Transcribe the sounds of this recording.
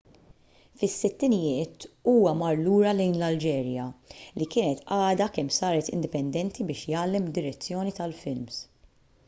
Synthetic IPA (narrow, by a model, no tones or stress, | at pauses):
fɪsːɪt̪ːɪnɪjɪːt̪uːwɐmɐɾluːɾɐlɛjnlɐld͡ʒɛːɾjɐlikɪːnɛt̪ɐːd̪ɐkɛmːsɐːɾɛt̪ɪnd̪ɪpɛnd̪ɛnt̪ibɪːʃjɐːlːɛmd̪ːɪɾɛt͡sːjɔːnit̪ɐlfɪlms